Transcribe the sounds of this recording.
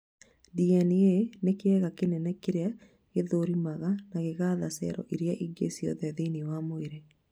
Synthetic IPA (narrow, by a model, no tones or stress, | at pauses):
diɛnienekeɛɣakenɛnɛkeɾea | ɣeðoɾimaɣanaɣeɣaðasɛ̰ɾɔ̰ʔiɾjaʔiɡḛsiɔ̰ðɛðeniwamoeɾe